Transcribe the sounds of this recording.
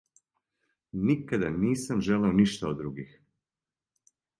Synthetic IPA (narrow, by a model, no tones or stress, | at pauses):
nikad̪aniːsamʒeleoniʃt̪aod̪ːɾuɡix